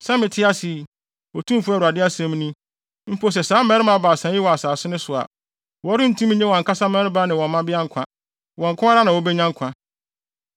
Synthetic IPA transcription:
sã˦mɪ̃˨tʰɪ˦a˦sɪ˨ | wɔ˨tʰũ˦fu˦˨u˨a˨dɪ˦a˦sɛ̃˦m˦nĩ˦ | m̩˦pʰo˦s̬ɛ˨sãː˨˦mɛ̃˦ɾɪ˦mã˦baː˨sã˨˦ɪ˦wɔ˨a˨saː˨sʊ˦nʊ̃˦sʊ˨a̰˨ | wɔ˨˦ɾɪ˦n̩˦tʰũ˦m˦ɲɛ̃˦wɔ̃˨ŋ̩˨kʰa˦sa˦mɛ̃˦ɾɪ˦ba˦nɪ̃˨wɔ̃˨m˦mã˦bɪ˦a˦ŋ̩˦kʰã˦ | wɔ̃˨ŋ̩˨kʰʊ̃˦a˦ɾa˦nã˨wɔ˦bɛ˦ɲã˦ŋ̩˦kʷʰã˨

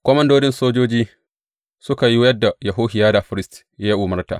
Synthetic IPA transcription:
kʷɔ˦mɐ˦ndoː˦dɪ˦nsoː˦d͡ʒoː˦d͡ʒiː˦ | sʊ˦ka˨ji˦jɐ˦dːa˨jɐ˨ɦoː˦hɪ˨jaː˦da˨ɸɪ˦ɾɪ˦st | ja˦ʔʊ˨mɐ˦rta̰ː˨

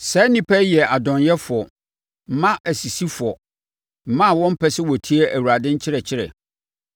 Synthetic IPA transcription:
sɛ˨˦nĩ˦pʰɛ˦jɛ˨a˨dɔ̃˨njɛ˦fʊ˨ɔ˨ | m̩˨˦mã˦ʔæ˨si˨si˦fʊ˨ɔ˨ | m̩˨mã˦˨wɔ̃˦m̩˦pʰɛ˨sɪ˦wɔ˨tʰi˦ɛ˦ʔæ˨wu˨ɾa˨dɪ̃˦ɲ̩˦t͡ɕʰɪ˦ɾɛ˨t͡ɕʰɪ˦ɾɛ̰˨

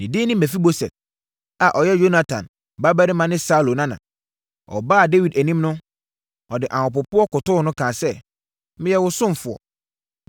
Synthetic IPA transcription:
nĩ˨di˦nɪ̃˦mæ̃˨fi˦bo˦sɛ̰˨t̚ | a˨ʔɔ˨jɛ˦jo˦na˨tʰã̰˨n | ba˦bæ˦ɾɪ˦mã˨nɪ̃˦sa˦˨lo˨nã˦nã̰˨ | ɔ̰˨baː˦a˨de˦wi˨dæ˨nĩ˦mnʊ̃˦ | ɔ˨dɪ˨ʔã˨hʊ̃˨pʊ˨pʊ˦ɔ˦kʊ˨tʊ˦˨nʊ̃˦kʰãː˨sɛ˦ | mɪ̃˦jɛ˦wʊ˦sʊ̃˦m˨fʊ˨ɔ̰˨

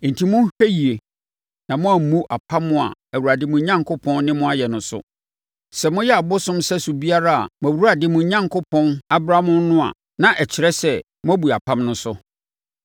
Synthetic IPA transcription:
n̩˨tʰi˨mʊ̃˦hᶣæ˦ji˨e˨ | nã˨mʊ̃˦a˨m̩˨mũ˦ʔa˨pʰã˦mːʊ̃˦a̰˨æ˨wu˨ɾa˨dɪ˦mʊ̃˨ɲã˦ŋkʰo˦pʰɔ̃˦nnɪ̃˦mʊ̃˦a˦˨jɛ˨nʊ̃˨sʊ̰˦ | sɛ˨mʊ̃˦jɛ˦a˨bʊ˦sʊ̃˦msɛ˦su˨bi˦a˦ɾa˦a̰˨mʊ̃˨æ˨wu˦ɾa˨dɪ˨mʊ̃˨˦ɲã˦ŋkʰo˦pʰɔ̃˦na˦bɾa˦mʊ̃˦nnʊ̃˦a̰˨ | nã˨ʔɛ˨t͡ɕʰɪ˨ɾɛ˦sɛ˦ | mʊ̃˦æ˦bu˨a˨pʰã˦mnʊ̃˦sʊ˦

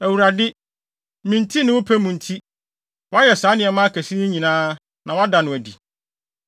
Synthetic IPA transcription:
æ˨wu˨ɾa˨dɪ˦ | mĩ˨ntʰi˦nɪ̃˦wʊ˦pʰæ˦mũ˨n̩˨tʰi˦ | wɔ˦a˦jɛ˨saː˨˦nɪ̃˨ɛ˨mã˦kʰæ˨si˦nɪ̃˦ɲĩ˨nãː˦ | nã˨wa˦da˨nʊ̃˨æ˨di˨

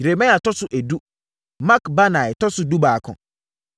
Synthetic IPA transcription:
ɾe˨mɛ̃˦a˨tʰɔ˦sʊ˨ʔæ˨du˦ | mã˦kba˦nã˨ɛ˨tʰɔ˦sʊ˦du˦baː˨kʰɔ̰̃˨

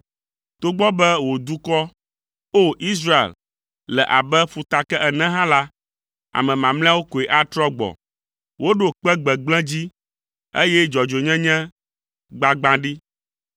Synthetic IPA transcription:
t̪o˦ɡ͡bɔ˦bɛ˦wo˨d̪u˦kɔ˦ | o˦ʔi˦s̬ɾa˦ḛ˨l | lɛ̰˨ʔa˨bɛ˦fu˨t̪a˨kɛ˦ʔɛ˨nɛ̃˦ɦã˦la˦ | a̰˨mɛ̃˨mã˨mlɛ̃˦a˦wo˦ko˨e˨ʔa˦t̪ɾɔ˦ɡ͡bɔ̰˨ | wo˦ɖo˨k͡pɛ˦ɡ͡bɛ˨ɡ͡blɛ̃˦d͡ʑi˦ | ḛ˦jɛ˦d͡ʒɔ˨d͡ʒo˨ɲɛ̃˦ɲɛ̃˦ | ɡ͡ba˨ɡ͡bã˦ɖi˦

